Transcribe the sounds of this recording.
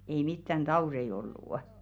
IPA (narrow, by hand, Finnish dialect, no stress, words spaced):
ei mitːæn d̥ɑurei olːuˑ